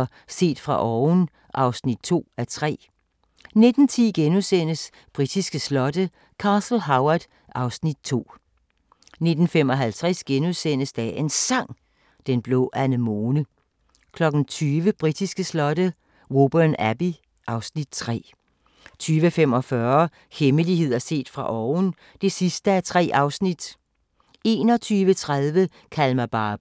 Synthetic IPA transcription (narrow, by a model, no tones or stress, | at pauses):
se̝̰ːd̥fʁɑ̈ʔɒːʊn | ʔɑ̈ʊsnid̥̚t͡sʰo̝̰ːæt͡sʰʁɛ̰ː | ne̝d̥n̩t͡sʰiːɡ̥enusen̰əs | b̥ʁid̥isɡ̥əslɒ̽d̥ə | kʰɑ̈ːsl̩ɦɑ̈ʊɐd̥ | ʔɑ̈ʊsnid̥̚t͡sʰo̝̰ː | ne̝d̥n̩fem̰ɒ̽ɦælt͡sʰʁɛsɡ̥enusen̰əsd̥ɛ̰e̝nsɑ̈ŋ̰ | d̥enb̥lɔ̰ːʔænəmɔːnə | kʰlɒ̽ɡ̥n̩t͡sʰyːʋəb̥ʁid̥isɡ̥əslɒ̽ɾ̥ə | ʁo̝b̥ənæb̥i | ʔɑ̈ʊsnid̥̚t͡sʰʁɛ̰ː | t͡sʰyːʋəfem̰ɒ̽fɶɐ | heməliɦe̝ð̞̰ˠɐse̝̰ːd̥fʁɑ̈ʔɒːn̩ | d̥e̝sisd̥əæɐt͡sʰʁɛ̰ːʔɑ̈ʊsnid̥ | e̝ːnɒ̽t͡sʰyːʋət͡sʰʁaðˠʋə | kʰælmæb̥ɑ̈ːb̥